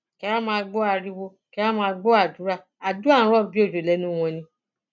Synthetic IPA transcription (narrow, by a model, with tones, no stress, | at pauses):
kɛ˧˦ɾa˦mãː˧ɡ͡bo˦a˧˨ɾi˧wo˧ | kɛ˧˦ɾa˦mãː˧ɡ͡bo˦a˦˨du˨˦ɾa˦˨ | a˨du˦ã˦˨˦ɾɔ˦˨bi˦o˦˨d͡ʒo˨lɛ˨˦nũ˦˧w̃ɔ̃˧nĩ˧˦